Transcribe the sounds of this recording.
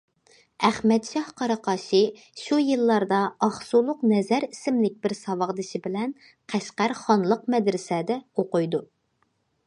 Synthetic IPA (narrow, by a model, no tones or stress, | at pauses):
æχmɛt̪ʃɑhqʰɑɾɑqɑːʃɨ | ʃujɨlˠːɑɾd̪ɑɑχsulˠʊqnɛzæɾisɪmlɪk̚ʲbɪɾsɑwɑʁd̪ɨʃɪbɪlɛn | qʰæʃqæɾχɑnlˠəqmɛd̪ɾɪsɛd̪ɛoqʊjd̪u